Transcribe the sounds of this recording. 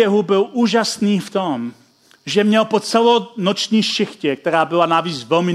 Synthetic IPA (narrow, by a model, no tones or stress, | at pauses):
ɛɦubɪlʔuːʒasniːft̪om | ʒɛmɲɛlpot͡sɛlonot͡ʃɲiːʃɪxcɛk̚t̪ɛɾaːbɪlanaviːt͡svɛlmɪ